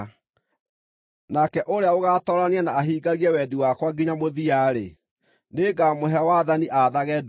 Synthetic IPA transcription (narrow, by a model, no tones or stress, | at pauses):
nakɛʔoɾeaoɣatɔːɾaneɛnaːɦiːɡaɣiɛwɛdiwakwaɡiɲamoðiaɾe | neːɡamoɦɛwaðaniʔaðaɣɛd